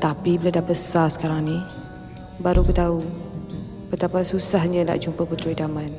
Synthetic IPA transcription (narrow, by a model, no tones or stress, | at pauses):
t̪apibiladabəsasə̥kaɾaŋni | baɾubət̪au | bət̪apasusahɲəna̰ʔd͡ʒumpəput̪ɾoidaman